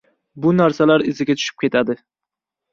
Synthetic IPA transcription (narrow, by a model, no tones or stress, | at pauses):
bʊnaɾsalaɾɪzɪɡʲat̪ʰʊ̥ʃɪ̥p̚kʲʰe̞t̪ʰad̪ɪ